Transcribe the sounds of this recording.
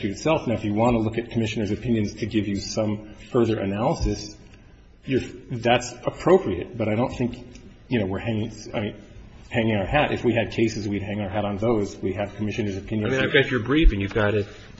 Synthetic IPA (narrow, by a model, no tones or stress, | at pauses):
ʉɨtsɛlˠfnaʊəfjɨwɑ̃nəlʊkɨt̚kʰəmɪʃɨnə˞zɨpʰɪ̃njɨ̃nz̥tʰɨɡɪvjɨsʌ̃ɱfɜ˞ðə˞ʔɨ̰nælˠəsɨs | jə˞ðætsəpʰɹ̥oʊpʰɹiɨ̰t̚b̥ʌɾaɪɾõʊ̃nθɪ̃ŋk | jɨñoʊwɪɹhæ̃ŋɪ̃ŋaɪmĩn | hæ̃ŋɪ̃ŋaʊə˞hæɾʔɨ̰fwiɨd̚kʰeɪsɨzwid̚ɦæ̃ŋaʊə˞ɦæɾn̩ðoʊzwiɨv̥kʰəmɪʃɨ̃nə˞zɨpʰɪ̃njɨ̃nmĩnaɪvɡɑt͡ʃə˞bɹifɨ̃njɨvɡɑɾɪt̚